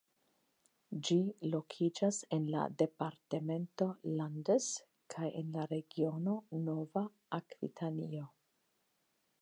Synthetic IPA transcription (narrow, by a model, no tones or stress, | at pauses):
d͡ʒilo̞kʰid͡ʒase̞nla̰de̞paɾteme̞nto̞landes | kʰajenlaɾe̞ɡio̞no̞no̞vaː | kɾḭtʰanio̞